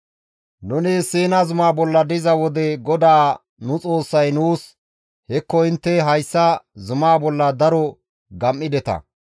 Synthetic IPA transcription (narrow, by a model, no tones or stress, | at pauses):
nʊneːseːnazʊmaːbɔlːɐd̪ɪzɐwɔd̪ɛɡɔd̪aː | nʊt͡sʼo̞ːsːɐjnuːs | hɛkːɔɪnt̪ːɛɦɐjsːɐzʊmaːbɔlːɐd̪ɐɾɔ | ɡɐmːɪd̪ɛt̪ɐ̰